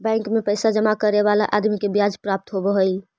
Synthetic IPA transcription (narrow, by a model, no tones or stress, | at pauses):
bɛ̃ŋkmepəjsad͡ʒəmakəɾeβala̰ʔad̪mikebjad͡ʒpɾap̚t̪ɦobəɦol